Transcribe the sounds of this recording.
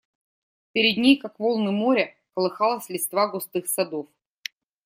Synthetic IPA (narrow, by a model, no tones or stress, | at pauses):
pʲɪɾʲɪd̪ʲnʲejkakvolˠnɨmoɾʲə | kəlˠɨxɑlˠəsʲlʲɪt̪st̪vaɡʊst̪ɨxsɐd̪of